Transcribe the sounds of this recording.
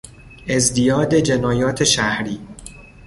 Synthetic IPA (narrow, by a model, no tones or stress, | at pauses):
e̞zd̪ijɒːd̪e̞d͡ʒe̞nɒːjɒːt̪ʰe̞ʃæhɾiː